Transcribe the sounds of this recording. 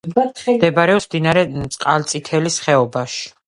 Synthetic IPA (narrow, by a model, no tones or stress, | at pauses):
d̪ɛbaɾɛɔsmd̪inaɾɛt̪sʼqʼalt̪sʼit̪ʰɛlisχɛɔbaʃi̥